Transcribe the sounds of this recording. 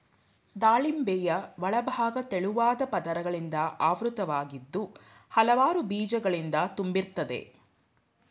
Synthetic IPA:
d̪aːɭimbɛjɐʋɐɭɐbʱaːɡɐt̪eɭuʋaːd̪ɐpɐd̪ɐɾɐɡɐɭind̪ɐʔaːʋɾut̪ɐʋaːɡid̪ːu | hɐlɐʋaːɾubiːd͡ʒɐɡɐɭind̪ɐt̪umbiɾt̪ɐd̪e̞̰

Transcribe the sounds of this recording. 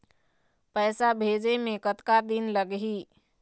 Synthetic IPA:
pəːɪsabʱeːd͡ʒemẽkət̪kad̪inləɡɦiː

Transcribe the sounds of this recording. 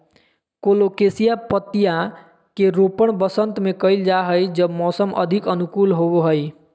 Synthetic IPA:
kolokesijapət̪ːija | keɾopəɳbəsənt̪mekəjld͡ʒaɦəjd͡ʒəbmɔsəmə̰d̪ʱikənukulɦoboɦəj

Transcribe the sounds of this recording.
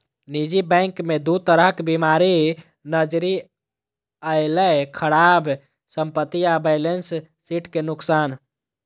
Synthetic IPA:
nid͡ʒibɛ̃ŋkmed̪ut̪əɾəɦkbimaɾi | nəd͡ʒɾi | əɪləkʰəɽab | səmpət̪ːiabəjlensː | iʈkenuksan

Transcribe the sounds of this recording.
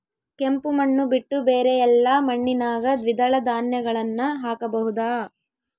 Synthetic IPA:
kempumɐɳːubiʈːubeːɾejɛlːɐmɐɳːinaːɡɐd̪ʋid̪ɐɭɐd̪aːnjɐɡɐɭɐnːɐɦaːkɐbɐɦud̪aː

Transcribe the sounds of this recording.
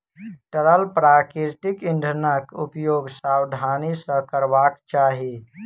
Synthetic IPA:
ʈəɾəlpɾaːkiɾʈikiɳɖʱənakupjoːɡsawd̪ʱaːnisə̃kəɾʋaːkt͡ʃaːɦi

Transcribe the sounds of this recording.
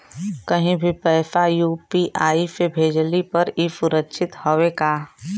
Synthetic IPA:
kɐɦĩbʱipɛːfajuːpiʔaːisebʱeːd͡ʒlipɐɾifʊɾəkʃʰɪt̪howeɡaː

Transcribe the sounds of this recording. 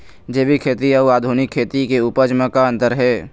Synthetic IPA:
d͡ʒeːbʱikʰeːt̪iaaːd̪ʱuːnɪkʰːeːt̪ikeuːpəd͡ʒməkaə̃nt̪əɾɦɛː

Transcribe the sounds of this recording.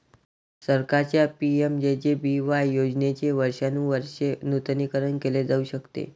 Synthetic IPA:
səɾkaɾt͡ɕjapiemd͡ʑed͡ʑebiʋajjod͡ʑnet͡ɕeʋəɾʂanũːʋəɾɕenut̪nikəɾənkeled͡zauɕəkt̪ḛ

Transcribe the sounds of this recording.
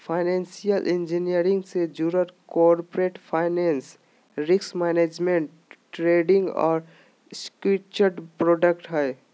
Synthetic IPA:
pʰaɪnẽnsijəlʔɪ̃nd͡ʒinijəɾɪ̃ŋɡsed͡ʒuɾəɾkɔːɾpɾeːʈpʰaːɪneːns | ɾɪksmɛːneːd͡ʒmẽɳʈː | ɾeːɖɪ̃ŋɡɔ̰ːɾ | skit͡ʃəɾɖpɾɔːɖəkʈɦɛː

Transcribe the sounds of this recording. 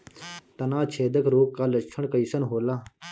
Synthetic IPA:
t̪ɐnãːt͡ʃʰeːd̪əkɾoːkkːaːlɐt͡ʃʰəɳkəisənɦoːlaː

